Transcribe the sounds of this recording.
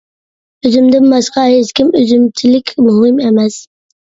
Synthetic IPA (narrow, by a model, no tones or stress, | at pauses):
øzɪmd̪ɪnmɑsqɑheskʲɪmøzymt͡ʃ̪ʰɪlɪkʲʰmʊɦɪmemɛs